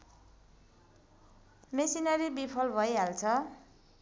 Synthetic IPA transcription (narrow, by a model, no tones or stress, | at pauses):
mesinʌɾibipʰʌlbʱʌjɦalt͡sʰʌ